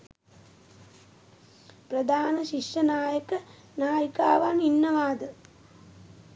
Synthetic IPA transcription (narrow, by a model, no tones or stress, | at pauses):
pɾɐd̪ʱaːnɐʃiʂjɐnaːjɐkɐ | naːjika̰ːʋaːninːɐʋaːd̪ɐ